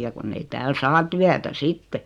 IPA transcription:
jɑ kunː ei tæːl sɑː tyætæ sitːe

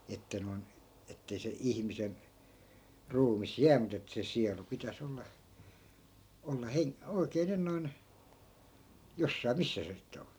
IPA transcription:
etːæ noi̯n etːei se ihmisen ruːmis jæː mut etːæ̆ se siɑlu pitæs olːɑ olːɑ heŋ oi̯keː nyn noin josːɑi̯ misːæ se sitːe on

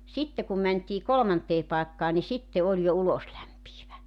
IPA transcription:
sitːe kum mæntʲiː kolŏmɑnteː pɑˑekːɑː ni sitːe olʲ jo uloslæmpiːʋæ

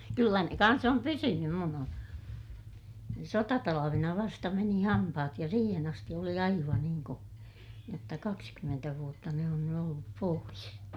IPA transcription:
kylːæ ne kɑns om pysynym mun on sotɑtɑlɑʋenɑ ʋɑstɑ meni hɑmpɑhɑt jɑ siːhen ɑsti oli ɑiʋɑn niːŋ ko jotːɑ kɑkskymːentæ ʋuotːɑ ne on ny olːup pois

